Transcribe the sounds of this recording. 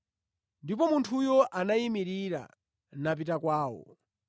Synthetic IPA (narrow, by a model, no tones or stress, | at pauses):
ndip̬ɔmuntʰujɔʔanaimiɾiɾa̰ | nap̬itakwaːwɔ̰